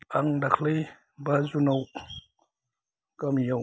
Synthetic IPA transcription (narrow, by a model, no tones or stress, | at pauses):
aŋdakʰlej | bazunaw | kamijaw